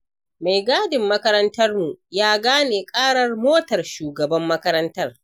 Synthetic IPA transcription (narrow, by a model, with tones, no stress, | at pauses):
ma˨jɡaː˦dɪ˨mːɐ˦kɐ˦ɾɐ˦ntɐ˦rmu˨jaː˦ɡaː˦neː˨kʼaː˦ɽɐ˦˨rmoː˦tɐ˨rʃuː˨ɡɐ˨bɐ˦mːɐ˦kɐ˦ɾɐ˦ntɐ˦r